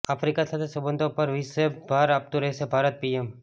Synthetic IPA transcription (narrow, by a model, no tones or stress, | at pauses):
apʰɾikasaːt̪ʰesɐbə̃nd̪ʱõpɐɾʋisebʱaːɾap̚t̪uɾɐesebʱaːɾət̪̚piem